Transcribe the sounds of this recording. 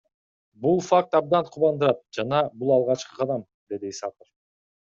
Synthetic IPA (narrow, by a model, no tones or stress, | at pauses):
bulˠfak̚t̪ɑb̚d̪ɑnqʰuβɑnd̪uɾɑt̪̚d͡ʒɑnɑbulˠɑlˠʁɑt͡ʃqɯ̥qʰɑd̪ɑm | d̪e̞d̪iːsɑpəf